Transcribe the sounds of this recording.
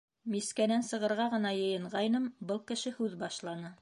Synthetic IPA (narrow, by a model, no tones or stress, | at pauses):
miskænænsɤ̆ʁɤ̆ɾʁɑʁɤ̆nɑjɤ̆jɤ̆ɴʁɑjnɤmbɤlˠkɘ̆ʃɘhʉðbɑʃlˠɑnɤ